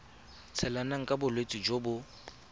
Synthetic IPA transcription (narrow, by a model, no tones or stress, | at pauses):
t͡sʰɛlanaŋ̩kʼabʊlwet͡sʼid͡ʒobʊ